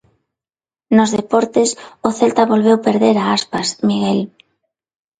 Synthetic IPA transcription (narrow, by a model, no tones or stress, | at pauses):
nozðepɔɾt̪esʊθelt̪aβolβ̞ewpeɾðeɾaaspasmiɣel